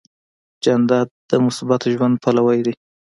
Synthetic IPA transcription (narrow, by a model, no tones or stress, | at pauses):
d͡ʒand̪ɑd̪d̪əmʊsbɑt̪oʒwand̪̚pʰalawajd̪i